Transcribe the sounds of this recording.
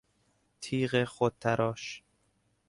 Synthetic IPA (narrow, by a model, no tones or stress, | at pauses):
t̪ʰiːɣexot̪̚t̪ʰæɾʔɒːʃ